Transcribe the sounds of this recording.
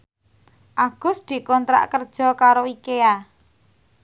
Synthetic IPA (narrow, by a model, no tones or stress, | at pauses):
ʔaɡ̥ʊ̤sd̪̥i̤kɔnt̪ɾa̰ʔkərd̥ʒ̥ɔ̤kaɾowikea